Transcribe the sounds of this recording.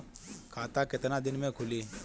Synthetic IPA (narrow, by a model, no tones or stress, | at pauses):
kʰat̪akɪt̪nãd̪ɪnmẽkʰuli